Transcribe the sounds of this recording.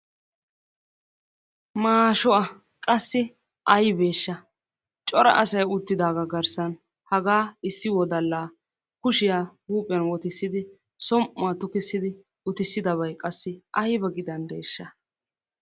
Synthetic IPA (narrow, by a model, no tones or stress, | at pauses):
maːʃɔʔɐ | kʼɐsːɪ | ʔɐjbe̞ːʃːɐ | t͡ʃʼɔɾɐ̰ʔɐsɐjʊt̪ːɪd̪aːɡɐɡɐɾsɐn | hɐɡaːɪsːɪwɔd̪ɐlːaː | kʊʃɪjaːhuːpʼɪɐnwɔt̪ɪsːɪd̪ɪ | sɔmʔʊat̪ʊkɪsːɪd̪ɪ | ʊt̪ɪsːɪd̪ɐβɐjkʼɐsːɪʔɐjbɐɡɪd̪ɐnd̪e̞ːʃːɐ